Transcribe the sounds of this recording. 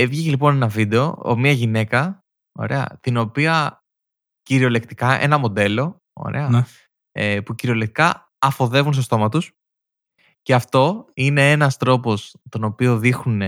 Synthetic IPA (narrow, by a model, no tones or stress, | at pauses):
evʝicelipo̞ne̞nɐvid̪e̞o̞omɲɐʝine̞kɐ | o̰ɾe̞ɐ̰t̪ino̞piɐ | ciɾio̞le̞kt̪i̥kɐʔe̞̰nɐmo̞d̪e̞lo̞ | o̰ɾe̞̰ɐ | epuciɾio̞lek̚t̪i̥kɐ | ɐfo̞ðe̞vuns̬to̞st̪o̞mɐt̪us | ceɐft̪o̞ine̞e̞nɐst̪ɾo̞po̞st̪o̞no̞pio̞ðixune